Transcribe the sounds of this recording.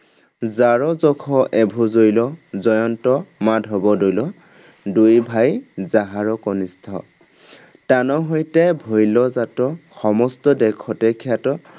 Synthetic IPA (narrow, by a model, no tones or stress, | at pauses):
zaɹɔzɔkʰɔʔɛbʱuzojlɔzɔjɔntɔmadʱɦɔbɔdojlɔ | dujbʱajzaɦaɹɔkɔnistʰɔ̰ | tanɔɦojtɛbʱojlɔzatɔxɔmɔstɔdɛkʰːɔtɛkʰijatɔ